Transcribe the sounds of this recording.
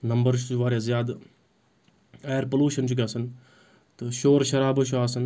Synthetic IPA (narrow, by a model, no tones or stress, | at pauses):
nɐmbɐɾt͡ʃʰt͡ʃʰuʋaːɾʲɐzjaːd̪ | ajɐɾpɐluːʃɐnt͡ʃʰuɡʲasɐn | t̪ɨʃoːɾʃɐɾaːbɨʃʰuaːsɐn